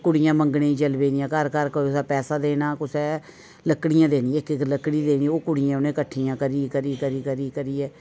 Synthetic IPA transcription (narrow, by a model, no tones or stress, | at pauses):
kʊɽɪjãːməŋɡɽẽːĩːt͡ʃəlbeːnijãːkəɾkəɾkəʊsɛːpɛːsaːd̪eːnaːkʊsɛː | ləkːɽɪjãːd̪eːnĩːɪkɪkləkːɽiːd̪eːniːoːkʊɽɪjãːʊnẽːkəʈʰːijãːkəɾiːkəɾiːkəɾiːkəɾiːkəɾiːɛː